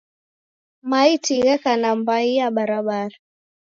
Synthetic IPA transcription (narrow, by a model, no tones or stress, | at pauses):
maitiɣɛkanambaiaɓaɾaɓaɾa